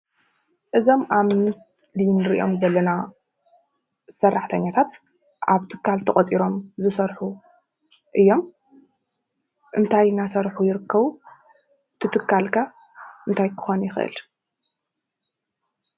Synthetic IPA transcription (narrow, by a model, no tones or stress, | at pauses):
ʔɨzo̞mʔaβmɨst̪linɨɾiʔo̞̰mzɐlːɐna | sɐrːaħt̪ʰɐɲːat̪ʰat̪ | ʔaβt̪ʰɨ̥kʰːalt̪ʰɐχʼɐt͡sʼiɾo̞mzɨsɐɾħu | ʔɨjːo̞m | ʔɨnt̪ʰajnasɐɾħujɪɾɨkʰːɐβu | t̪ʰɨt̪ʰɨkʰːalkʰa | ʔɨnt̪ʰajkʰɨ̥xonjɪxʔɨ̰l